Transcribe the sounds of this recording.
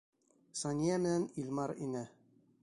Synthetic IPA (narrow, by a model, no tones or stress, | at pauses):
sɑnʲiæmɘ̆nænilʲmɑɾḭnɘ